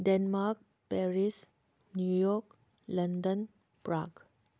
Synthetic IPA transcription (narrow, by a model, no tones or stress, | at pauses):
ɖɛnmaɾk̚ | pɛɾis | njujɔk | ləndən | pɾaɡ